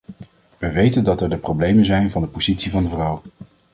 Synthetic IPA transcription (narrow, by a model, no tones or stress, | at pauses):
ʋəʋejtəndɑtɛɹdəprowblejmənzɛjnvɑndəpoz̥itsivɑndəvrʌw